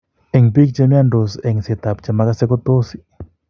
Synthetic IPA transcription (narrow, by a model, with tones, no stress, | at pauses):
e˨ŋpi˦k̚t͡ʃe˦mja˦ndo˨sɛ˨ŋse˨t̪a˨pt͡ʃa˨ma˦ka˦se˦ko˦t̪o˦si̥˨